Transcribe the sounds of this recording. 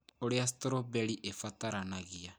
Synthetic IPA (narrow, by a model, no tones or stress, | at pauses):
oɾeas̬toɾobɛɾiʔefataɾanaɣia